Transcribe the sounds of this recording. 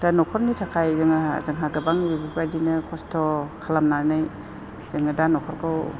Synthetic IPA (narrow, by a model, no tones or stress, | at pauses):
danɔkʰɔɾnitʰakʰajzɯŋazaŋɦaɡabaŋbibipadinɯkʰɔstʰɔkʰalamnanɯj | z̥ɯŋadanɔkʰɔɾkaw